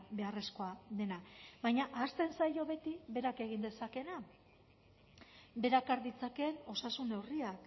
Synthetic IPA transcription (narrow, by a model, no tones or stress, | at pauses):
be̞are̞sko̞aðe̞naβajɲaʔast̪e̞nsajo̞βe̞t̪iβe̞ɾake̞ɣind̪e̞sake̞na | be̞ɾakaɾðit͡sake̞no̞sasune̞wriak